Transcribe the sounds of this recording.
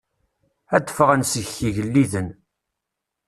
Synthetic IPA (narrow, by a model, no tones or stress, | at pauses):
æd̪ːə̥fəʁənsəççiʝəlːiðən